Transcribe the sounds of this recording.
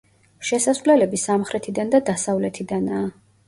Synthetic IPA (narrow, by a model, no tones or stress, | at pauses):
ʃɛsaslɛlɛbisamχɾɛt̪ʰid̪and̪ad̪asavlɛt̪ʰid̪anaː